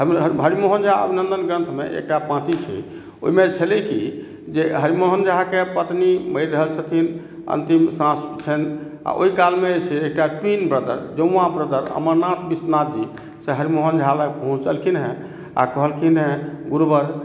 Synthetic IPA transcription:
əmɦəɾimoɦənd͡ʒaə̰bʱinə̃nd̪ənɡɾə̃nt̪ʰmḛʔḛk̚ʈapãt̪it͡ʃʰɛ̰ | o̰imet͡ʃʰəleki | d͡ʒeɦəɾimoɦənd͡ʒaɦakepət̪niməjɾɾəɦəlsʰət̪ʰin | ə̰nt̪imsãst͡ʃʰəna̰ʔo̰ikalmet͡ʃʰɛek̚ʈaʈwinbɾəd̪ə̰ɾd͡ʒə̃ːãbɾəd̪əɾə̰məɾnat̪ʰbisnad͡ʒi | seɦəɾimoɦənd͡ʒɦaləpəɦũt͡ʃəlkʰinɦɛ̃ | a̰kəɦəlkʰinɦẽɡuɾbəɾ

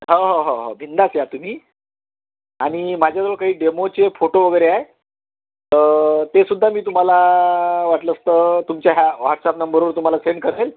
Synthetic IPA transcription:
ɦəɦoɦoɦo̰bʱind̪asjat̪um̤iː | aɽ̃imad͡ʑʱjad͡zʋəɭkaɦiːɖemot͡sefoʈoʋəɡəjɾeae | t̪əɾt̪esud̪ʱːamiːt̪um̤alaʋaʈləst̪ət̪umt͡ɕjaɦjaʋaʈsapnəmbəɾuːnt̪um̤alasenkəɾlel

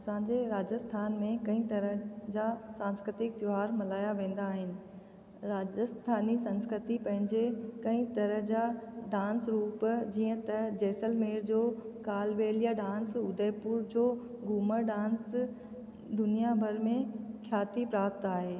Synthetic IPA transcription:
ɐsãːɲd͡ʑeɾaːd͡ʑəst̪ʰaːnmẽkɐ̃ĩt̪ɐɾəɦd͡ʑasãːnskɾɪt̪ɪk̚t̪joɦaːɾmɐlaːjaʋẽːn̆d̪aːɦɪnɪ̆ | ɾaːd͡ʑəst̪ʰaːnisɐ̃nskɾɪt̪ipɐ̃ɦɪ̃ɲd͡ʑekɐ̃ĩt̪ɐɾəɦd͡ʑaɖãːnsɾuːpd͡ʑiːə̃t̪ɐd͡ʑeːsəlmeːɾd͡ʑoː | kaːlʋeːljaɖãːnsʊd̪ʱəːpuːɾd͡ʑoː | ɡuːməɖãːns | d̪ʊnijabʱɐɾmẽkʰjaːt̪ipɾaːpt̪aːɦeː

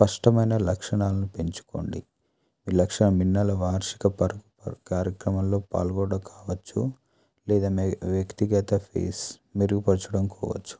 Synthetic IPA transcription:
spɐʂʈɐmɐjnɐlɐkʂɐɳaːlɐnupe̞ɲt͡ʃu̥ko̰ɳɖi | miːlɐkʂɐɳɐminːɐlɐʋaːɾʃi̥kɐpɐɾɡukaːɾjɐkɾɐmɐmlo̞ːpa̰ːlɡɔːɽɐkʰaːʋɐt͡ʃːu | lɛːd̪aːmʋjɐkt̪iɡɐt̪ɐpʰḛːs | miɾuɡupɐt͡ʃːuɽɐmkɔ̰ːʋɐ̰t͡ʃːu̥

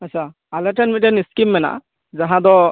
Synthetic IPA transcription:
asʰa | alɛʈɛnmitɛniskimːɛna̰ʔ | zaɦãd̪ɔ

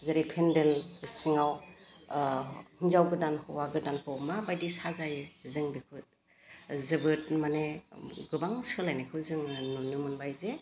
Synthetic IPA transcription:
zeɾipʰendelsiŋaw | hinzawɡɯdanhʰɯwaɡɯdankʰɯwmabajdisazajzɯŋbikʰut̚ | zɯbɯt̚maneɡɯbaŋsɯlajnekʰɯwzɯŋnunɯmɯnbajze

